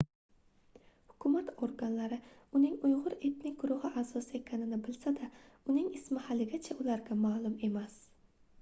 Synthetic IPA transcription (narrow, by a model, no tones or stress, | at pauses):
hʊ̥kʲʰʊmat̪ʰoɾɡanlaɾɪʊnɪŋʊjʁʊɾet̪nɪk̚ɡʊɾʊhɪʔasɒsɪe̞kʲʰanɪnɪbɪlsad̪aʊnɪŋɪsmɪhalɪɡʲat͡ʃʰaʊlaɾɡʲamaːlˠʊme̞mas